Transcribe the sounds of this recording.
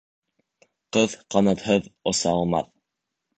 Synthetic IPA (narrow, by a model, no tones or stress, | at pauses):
qɤðqɑnɑt̪hɤðŏsɑɑlˠmɑ̰θ